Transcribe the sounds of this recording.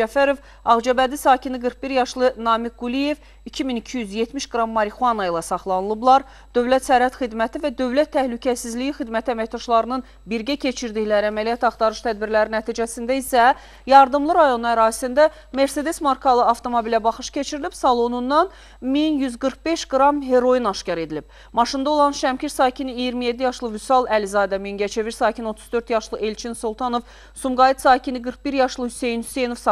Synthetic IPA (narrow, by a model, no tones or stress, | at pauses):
d͡ʒæfæɾo̞v | ɑʁd͡ʒɑbæd̪isɑːcʰiniɡɯɾχ̚biɾjɑʃlˠɯnɑːmik̚ɡulije̞v | icʰiminicʰijyzje̞t̪miʃɡɾɑmːɑɾixuɑnɑilˠɑsɑχlˠɑnɯlˠɯblˠɑɾ | d̪̥ø̞vlæt̪sæɾhæt̪xid̪mæt̪ʰivæd̪ø̞vlæt̪ʰːæhlycʰæsizlijixid̪mæt̪ʰiæmæçt̪ɑʃlˠɑɾɯnɯn | biɾɟæcʰe̞t͡ʃʰiɾd̪içlæɾæmælijɑt̪ɑχt̪ɑɾɯʃt̪ʰæd̪biɾlæɾinæt̪ʰiːd͡ʒæsind̪æisæ | jɑɾd̪ɯmlˠɯɾɑjo̞nuæɾɑːzsind̪æ | me̞ɾse̞d̪e̞smɑɾkʰɑlˠɯɑft̪ʰo̞mobilæbɑχɯʃcʰe̞t͡ʃʰiɾilib̥sɑlˠo̞nunːɑn | minjyzɡɯɾq̚be̞ʃɡɾɑmɦe̞ɾo̞jinɑʃcɑɾe̞d̪ilib̥̚ | mɑʃɯnd̪ɑo̞lˠɑnʃæmcʰiɾsɑːcʰiniijiɾmije̞d̪ːijɑʃlˠɯvysɑlˠælizɑːd̪æminɟæt͡ʃʰe̞viɾsɑːkcʰino̞t̪ʰu̥zd̪ø̞ɾt̪jɑʃlˠɯʔe̞lt͡ʃʰinsolˠt̪ʰɑno̞v | sumɡɑid̪sɑːcʰiniɡɯɾq̚biɾjɑʃlˠɯhyse̞jnhyse̞jno̞vs